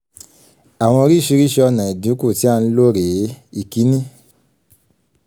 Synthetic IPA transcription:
a˨w̃ɔ̃˧ɾi˦˨ʃi˧ɾi˦ʃe˧ɔ˧nã˨i˨du˨˦ku˦˨ti˦a˧n̩˧˦lo˦ɾe˨˦i˦˨ki˨˦nĩ˦

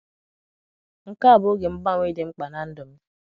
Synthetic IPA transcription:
ŋ̩˨ka˦a˨bʊ˦ɡe˨m̩˦ba˦ŋʷ˦e˦de˨ŋ͡m̩˦k͡pa˨na˨n̩˦dʊ˨m̩˦

